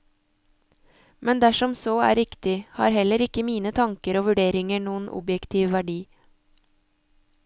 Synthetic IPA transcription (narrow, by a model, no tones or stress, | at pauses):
mʔɛnd̪æʃɔmsoːæ̰ːɾɪkt̪ɪhɑ̰ːɾhɛləɾɪkəmiːnət̪ʰɑŋkəɾoːʋʉɖeːɾɪŋəɳuːənʔɔ̰bjɛkt̪ʰiːʋʋæɖiː